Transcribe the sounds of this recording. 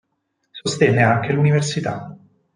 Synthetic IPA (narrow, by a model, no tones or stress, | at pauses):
sost̪ɛnːeaŋkeluniversit̪a̰